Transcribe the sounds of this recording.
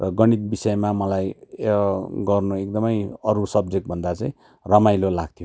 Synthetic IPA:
rʌɡʌɽ̃it̪bisʌemamʌlaj | ɡʌrnuek̚d̪ʌmʌjʌɾusʌb̚d͡zek̚ʈ̚bʱʌnd̪at͡sãĩ | rʌmajlolaɡ̚t̪ʰijo

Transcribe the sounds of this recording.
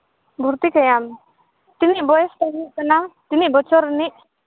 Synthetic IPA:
bʱuɾt̪ikajam | t̪iniʔbɔjɛsʈaɡiʔkanat̪iniʔbɔt͡ʃɔɾniʔ̚

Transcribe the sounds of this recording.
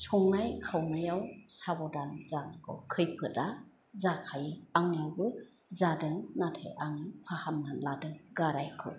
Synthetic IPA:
sʰɔŋnajkʰawnajawsabɔdanzaŋkʰɔ̰kʰɯjpʰɯt̚a | zakʰajaŋjawbɯ | zadɯŋnatʰḛʔaŋipʰahamnanladɯŋɡaɾajkʰɯ̰

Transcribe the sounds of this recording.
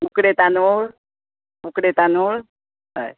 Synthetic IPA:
ukɽet̪anoɭ | ukɽet̪anoɭ | a̰j

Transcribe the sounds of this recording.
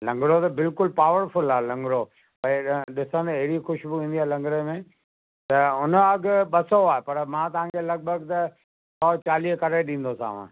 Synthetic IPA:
lɐ̃ŋɡɽot̪ɐbɪlkʊlpaːʋəɾfʊlaːelɐ̃ŋɡɽo | pɐ̃ɗɪsə̃nd̪ɐɦɪɽixʊʃbɪʋĩːnd̪iaːelɐ̃ŋɡɾemẽ | t̪ɐʊnəɐɡɓɐsoaːɦepɐɾmãːt̪ɐʋ̤ãːkʰelɐɡ̚bʱəɡt̪ɐ | sɔːt͡ɕaːliːɦkɐɾeɗĩːn̆d̪osã̰ːʋ̤ã̰ː

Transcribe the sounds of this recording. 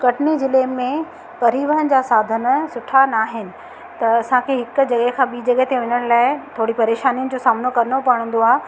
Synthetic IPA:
kɐʈnid͡ʑɪlemːẽ | pɐɾiʋəɦənɪd͡ʑaːsaːd̪ʱənəsʊʈʰanaːɦɪnɪ̆ | t̪ɐɐsãkʰeːɦɪkʊ̆d͡ʑɐɠəɦkʰãːɓiːd͡ʑɐɠəɦt̪eʋɪɲəɽ̃laːɪt̪ʰoːɽipɐɾeːʃaːnijənɪ̆d͡ʑoːsaːmnokɐɾnopɐɽ̃ə̃n̆d̪oaːɦ

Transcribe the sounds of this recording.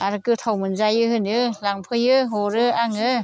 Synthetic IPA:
ʔaɾɯkɯt̪ʰawmɯnzajɯhɯnɯlaŋpʰɯjɯɦoɾɯʔaŋɯ

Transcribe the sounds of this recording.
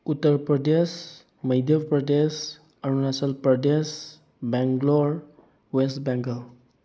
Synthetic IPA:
ut̪ːəɾpɾəd̪es | məjd̪ʱjəpɾəd̪es | aɾunasəlpɾəd̪es | bɛŋɡloɾ | wesʈbɛŋɡəl

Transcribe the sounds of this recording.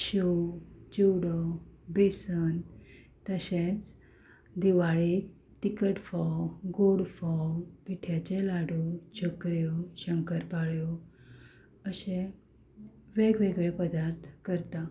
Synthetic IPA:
ɕowd͡ʑiwɽɔbesən | t̪əɕet͡s | d̪iʋaɭik | t̪ikəʈfɔɡoɽfɔpiʈʰjat͡ɕelaɽut͡ɕʰokɾjɔɕəŋkəɾpaɭjɔ | əɕe | ʋeɡʋeɡʋepəd̪aɾt̪kəɾt̪a

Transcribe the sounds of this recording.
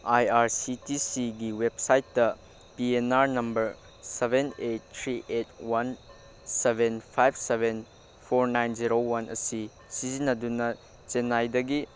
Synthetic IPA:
ajaɾsitisiɡiweb̚sajt̚ːdɐ | pienaɾnɐmbɐɾ | sebʱenet̚ːʰɾiʔetwan | sebʱenpʰajbseben | pʰoɾnajnziɾowɐnʔɐ̰si | sizinːɐdunɐ | t͡ʃenːajdɐɡi

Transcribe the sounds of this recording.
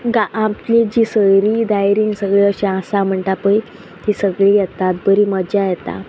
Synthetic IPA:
ɡaãpled͡ʑiːsəjɾiːd̪ajɾĩnsəɡɭiəɕẽãsam̤əɳʈ̪apəi | t̪isəɡɭiːjɛt̪at̪̚bəɾiːməd͡ʑajɛt̪a̰

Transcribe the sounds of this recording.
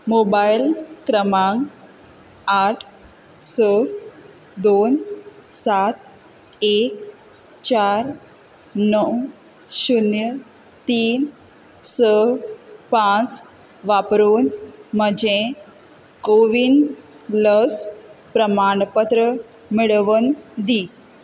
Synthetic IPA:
mobajilkɾəmãŋɡ | aʈʰ | sə | d̪onsat̪ | ek | t͡ɕaɾ | nəw | ɕunjə | t̪iːn | sə | pãt͡s | ʋapɾoːnməd͡ʑe | koʋin | ləspɾəmaɳpət̪ɾə | miɭʋənd̪i

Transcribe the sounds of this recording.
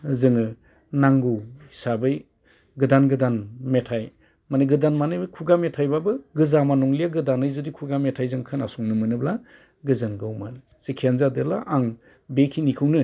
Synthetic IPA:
zɯŋɯ | naŋɡɯwisabɯj | ɡɯdanɡɯdanmetʰaj | manɯɡɯdanmanɯjbɯkʰuɡametʰajbabɯɡɯzamanɔŋlijaɡɯdanɯjzɯdikʰuɡametʰajzɯŋkʰɯna̰sɔŋnɯmɯnɯbla | ɡɯzɯŋɡɯwmal | sikʰianzadela̰ʔaŋ | bekʰinikʰɯwnɯ

